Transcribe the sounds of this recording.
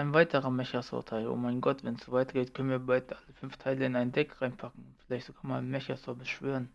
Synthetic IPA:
aɪnvaɪtʰəʁəmɛçɐsʊ̰ɐtʰaɪlʊ̰maɪnɡɔtvɛnsz̥ovaɪtɡ̥eːtkʰœnənviːɐbaɪtʔaləfʏnftʰaɪləɪnaɪndɛkʁaɪnpʰakŋ̩ʊfɪlaɪçtzoɡaːmaːmɛçɐsɔɐbəsʃv̥øːʁən

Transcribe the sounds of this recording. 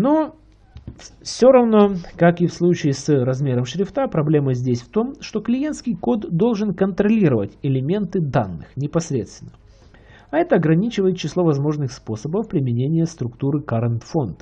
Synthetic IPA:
no | sʲo̞ɾɐvno̞kakɨfslˠut͡ɕɪːsɾɐzmʲe̞ɾəmʂɾʲɪft̪apɾɐblʲe̞məzʲdʲesʲft̪o̞mʂt̪o̞klʲɪje̞nt̪skʲɪjko̞d̪ːo̞lˠʐɨnkənt̪ɾɐlʲiɾəvətʲɪlʲɪmʲe̞nt̪ɨd̪anːɨxnʲɪpɐsɾʲet̪st̪vʲɪnːə | ɐɛt̪əɐɡɾɐnʲit͡ɕɪvəjɪt̪̚t͡ɕːɪslˠo̞vɐzmo̞ʐnɨxspo̞səbəfpɾʲɪmʲɪnʲenʲɪjəst̪ɾʊkt̪uɾɨkaɾənt̪fo̞nd̪

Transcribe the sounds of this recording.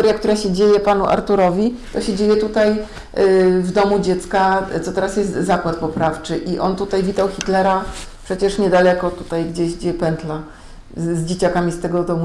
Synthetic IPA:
t̪ɔɾjak̚t̪uɾaɕɛd͡ʑejɛpanuʔa̰ɾt̪uɾɔvʲit̪ɔɕɛd͡ʑejɛt̪ut̪aj | vd̪ɔmud͡ʑɛt̪skat̪ɔt̪ɛɾasjɛst̪zakwat̪̚pɔpɾaft͡ʂɘʔiʔɔ̰nt̪ut̪ajvʲit̪awxʲit̪lɛɾapʂɛt͡ɕɛʂɲɛd̪alɛkɔt̪u̥t̪ajɡd͡ʑeɕɡd͡ʑɛpɛnt̪la | zd͡ʑet͡ɕakamʲist̪ɛɡɔd̪ɔmu

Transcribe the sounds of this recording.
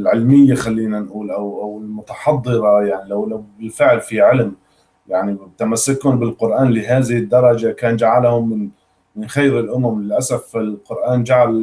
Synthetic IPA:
lʕɪlmɪjːaxalːiːnanʔuːlʔawʔawɪlmʊt̪ɑħɑd̪ˤːɨɾˤɑjaʕnilawlawbɪlfɪʕlfiʕɪlm | jaʕnit̪amasːakuːnbɪlqʊɾʔaːnlɪɦaːðɪhɪd̪ːɑɾˤɑd͡ʒakaːnd͡ʒaʕalhʊmːɪn | mɪnxajɾɪlʔʊmamlɪlʔasafɪlqʊɾʔaːnd͡ʒaʕal

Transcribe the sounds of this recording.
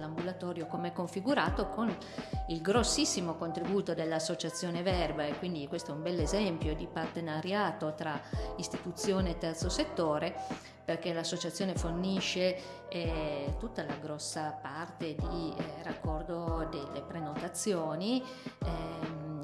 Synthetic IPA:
lambulat̪ɔːɾjokomeɛkːoɱfiɡuɾaːt̪okʰon | ilɡɾosːisːimokont̪ɾibuːt̪od̪elːasːot͡ʃat̪sːjoːnevɛrbaekːwind̪ikwest̪oɛumbɛlːezɛmpjod̪ipart̪enaɾjaːt̪ot̪ɾaist̪it̪ut̪sːjoːneːt̪ːɛrt̪soset̪ːoːɾe | perk̟elasːot͡ʃat̪sːjoːneforniʃːe | t̪ut̪ːalaɡɾɔsːapart̪ed̪irakːɔrd̪od̪elːepɾenot̪at̪sːjoːni | ɛ

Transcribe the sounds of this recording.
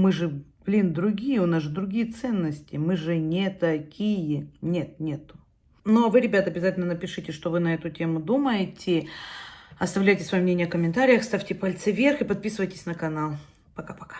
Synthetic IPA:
mɨʐɨb̥lʲind̪ɾʊɡʲijəʊnasʐɨd̪ɾʊɡʲijət̪sɛnːəsʲtʲɪmɨʐɨnʲet̪ɐkʲijɪnʲe̞t̪̚nʲet̪ʊ̥ | novɨɾʲɪbʲat̪əɐbʲɪzatʲɪlʲnənəpʲɪʂɨtʲɪʂt̪o̞vɨnɐɛt̪ʊtʲemʊd̪uməjɪtʲʰɪ | ɐst̪ɐvlʲæjtʲɪsvɐjomnʲenʲjəɐkəmʲɪnt̪aɾʲɪjəxst̪afʲtʲɪpɐlʲt̪sɨvʲerxɨpɐt̪̚pʲisɨvəjtʲɪsʲnəkɐnalˠ | pɐkapɐ̥kḁ

